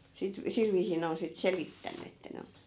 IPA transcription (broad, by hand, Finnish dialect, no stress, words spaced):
sit sil ʋiːsiː ne on sit selitːænˑy etːæ ne on̞